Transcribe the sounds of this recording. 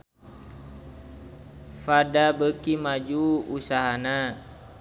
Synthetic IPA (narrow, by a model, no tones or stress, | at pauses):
fadabəkimad͡ʒuusaɦana